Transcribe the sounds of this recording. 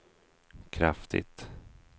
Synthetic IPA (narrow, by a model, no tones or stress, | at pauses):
kʰɾaft̪ʰɪ̰t̪